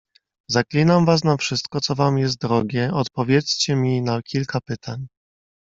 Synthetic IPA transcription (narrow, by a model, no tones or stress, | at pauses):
zaklʲinamvas̬nafʂɘst̪̚kɔt̪sɔvamjɛst̪̚d̪ɾɔɡʲɛɔt̪pɔvʲjɛt̪st͡ɕɛmʲinakʲilkapɘt̪ʰaɲ